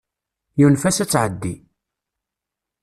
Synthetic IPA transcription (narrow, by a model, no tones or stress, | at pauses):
junfæsæt͡sːʕəd̪ːi